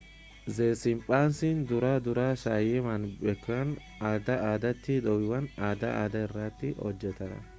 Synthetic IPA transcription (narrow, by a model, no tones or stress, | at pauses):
zeːsɪmpʼaːnsɪnd̪ʊɾaːd̪ʊɾaːʃaːjɛmɐnbɛkːɐwɐn | aːd̪ɐaːd̪ɐt̪ːɪd̪ɔwɪwɐnaːd̪ɐa̰ːd̪ɐɛrːaːt̪ːɪɔ̰d͡ʒːɛt̪ɐɾɐ̰